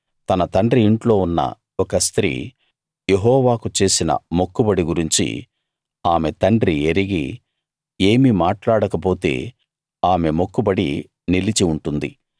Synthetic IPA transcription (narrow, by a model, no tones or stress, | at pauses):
t̪ɐnɐt̪ɐɳɖɾiːɳʈlo̞ːunːɐ̰ | ɔkɐst̪ɾḭː | je̞ɦɔːʋaːkut͡ʃe̞ːsinɐ̰mokːubɐɽiɡuɾiɲt͡ʃḭ | aːme̞t̪ɐɳɖɾieɾiɡḭ | e̞ːmimaːʈlaːɽɐkɐp̬o̞ːt̪e̞̰ː | aːme̞mokːubɐɽḭ | nilit͡ʃiuɳʈund̪ḭ